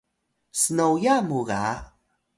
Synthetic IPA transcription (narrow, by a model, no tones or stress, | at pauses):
sənowjamuɣa̰